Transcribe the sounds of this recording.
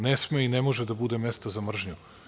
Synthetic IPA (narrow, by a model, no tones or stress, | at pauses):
nesmeinemo̞ʒed̪abud̪e̞mest̪azamr̩ʒɲu